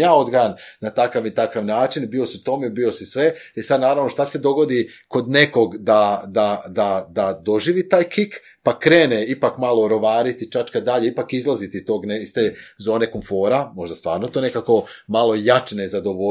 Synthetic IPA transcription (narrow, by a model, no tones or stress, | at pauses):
jaːo̞d̪ɡajannat̪akaʋit̪akaʋnaːt͡ʃinbio̞siut̪o̞mebio̞sisʋeesad̪naːɾaʋnoʃt̪ased̪o̞ɡo̞d̪iko̞d̪ne̞ko̞ɡd̪ad̪ad̪ad̪ad̪o̞ʒiːʋit̪aːjkik | pakɾeːneipakmalˠo̞ɾo̞ʋaːɾit̪it͡ʃat͡ʃkad̪d̪aʎeipakizlˠazit̪est̪o̞ːɡneist̪eːzo̞ːne̞komfo̞ːɾamo̞ʒd̪ast̪ʋa̰ːɾnot̪o̞ːne̞kako̞malo̞jat͡ʃnezad̪oʋo